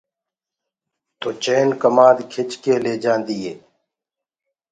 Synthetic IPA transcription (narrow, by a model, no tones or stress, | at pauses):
t̪oːt͡ʃeːnkəmaːd̪kʰɪt͡ʃkeːleːd͡ʒãːnd̪iːɦeː